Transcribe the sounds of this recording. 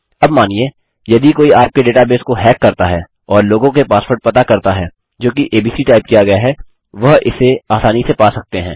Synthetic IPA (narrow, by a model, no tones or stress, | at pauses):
ɐbmaːnieː | jɐd̪ikoːiaːɾp̚keɖeːʈabeːskoɦɛːkːɐɾt̪aɦɛː | ɔːɾloːɡõkepaːspoːɾʈ̚pɐt̪akɐɾt̪aɦɛː | d͡ʒoːk̬iʔeːbiːsiʈaːɪp̚kijaɡɐjaɦɛ | ʋɐɦɪ̰seaːsaːnisepaːsɐk̚t̪eɦɛ̰̃ː